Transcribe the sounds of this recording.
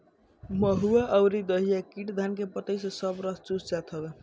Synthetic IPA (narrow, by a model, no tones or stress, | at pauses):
məɦuaʔəwɾid̪əɦijakiʈd̪ʱankepət̪əjsʌsʌbɾʌst͡ʃust͡ʃat̪ʰɦəbe